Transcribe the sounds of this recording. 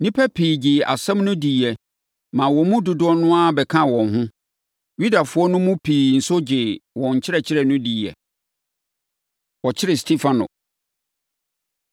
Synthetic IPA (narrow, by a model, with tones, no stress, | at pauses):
nĩ˦pʰɛ˦pʰiː˨d͡ʑɪ˨a̰˨sɛ̃˦mnʊ̃˦diː˨ɛ˨ | mã˨wɔ˨mũ˦du˨dʊ˦ɔ˦nʊ̃˦a˦bɛ˨kʰã˦wɔ̃˨nɦʊ̃˦ | ɥu˦da˨fʊ˦ɔ˦nʊ̃˦mũ˦pʰiː˨n̩˨sʊ˦d͡ʑɪ˨wɔ̃˨ɲ̩˨t͡ɕʰɪ˦ɾɛ˨t͡ɕʰɪ˦ɾɛ˨nʊ̃˦di˨ɛ̰˨ | wɔ˨t͡ɕʰɪ˦ɾɪ˨stʰi˦fã˨nʊ̰˨